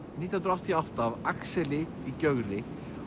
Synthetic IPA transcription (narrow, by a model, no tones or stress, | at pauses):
niːt̪janɾɔht̪ʰijɔft̪aːvaksɛlɪ | icœɣɾɪ